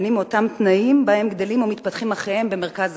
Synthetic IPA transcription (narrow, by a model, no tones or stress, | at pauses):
nimotamt̪naimbahemɡd̪elimomit̪̚pat̪χimaχejhembeme̞ʁkaz